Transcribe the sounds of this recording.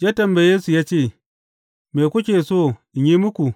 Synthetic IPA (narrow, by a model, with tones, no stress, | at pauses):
ja˦tɐ˨mba˨jeː˦su˨jaː˦t͡ʃeː˦˨ | meː˨kʷʊ˦k̬ʲeː˨soː˦˨ʔɪ˨ɲji˦mʊ˦kʷu˨